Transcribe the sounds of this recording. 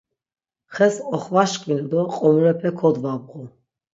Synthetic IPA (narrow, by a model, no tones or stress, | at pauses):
χɛsɔχvaʃkʼvinɔd̪ɔqʼɔmɾɛpʰɛkʰɔd̪vabʁu